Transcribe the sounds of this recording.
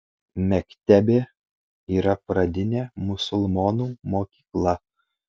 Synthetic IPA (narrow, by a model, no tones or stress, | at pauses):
mʲɛkʲt̪ʲæbʲeː | iːɾɐpɾɐd̪ʲɪnʲeːmʊsʊlˠmoːnuːmoːkʲiːklˠɐ